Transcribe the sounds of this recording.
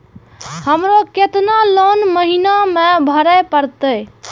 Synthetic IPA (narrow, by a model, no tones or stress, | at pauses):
həmɾoket̪nalonməɦinamebʱəɾəjpəɾt̪əj